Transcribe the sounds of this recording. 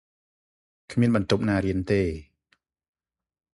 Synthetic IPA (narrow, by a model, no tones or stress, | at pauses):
kʰmiənɓɑnt̪up̚naːɾiənt̪eː